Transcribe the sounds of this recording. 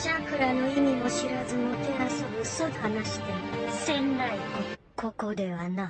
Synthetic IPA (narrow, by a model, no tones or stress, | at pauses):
d͡ʑapɯ̟ɾano̞imʲimo̞ɕiɾazɨmok̪eɾasoɡɯsod̪hanaɕi̥t̪esẽnːaio | kʰo̞ko̞d̪e̞βana